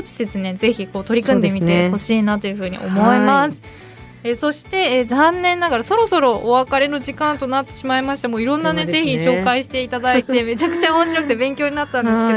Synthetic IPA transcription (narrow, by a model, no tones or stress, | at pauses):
ot͡ɕi̥d̪e̞sɨne̞ze̞çiko̞ːt̪o̞ɾʲikɯ̟̃nd̪e̞mʲit̪e̞ho̞ɕiːnat̪o̞jɯ̟ɸɯ̟ːɲ̟ḭʔo̞̰mo̞emasɨ̥ | eso̞ɕi̥t̪e̞zãnːẽ̞nːaɡaɾaso̞ɾo̞so̞ɾo̞ʔːβakaɾe̞no̞ʑikãnt̪o̞nat̪ːe̞ɕimaimaɕi̥t̪amoːiɾõ̞nːane̞ze̞çiɕo̞ːkaiɕi̥t̪e̞it̪ad̪ait̪e̞me̞t͡ɕakɯ̟̥t͡ɕaomo̞ɕiɾokɯ̟t̪e̞bẽ̞ŋkʲoːɲ̟inat̪ːãnd̪esɨkeo